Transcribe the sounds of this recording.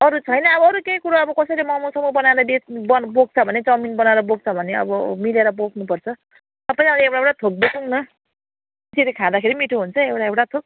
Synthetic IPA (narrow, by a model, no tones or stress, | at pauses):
ʌɾut͡sʰʌjnʌʌbʌʌɾukejkuɾaʌbʌkʌsʌɾimʌmusʌmʌbʌnaeɾʌd̪esbʌboɡ̚t͡sʰʌbʱʌnet͡sʌminbʌnaeɾʌboɡ̚t͡sʰʌbʱʌneʌ̰bʌmileɾʌbokʰnupʌrt͡sʰʌ | t̪ʌpaj̃ãleewʈaewʈat̪ʰok̚bokuŋnʌ | itiɾikʰãd̪akʰeɾimiʈʰuɦunt͡sʰʌewʈaewʈat̪ʰok̚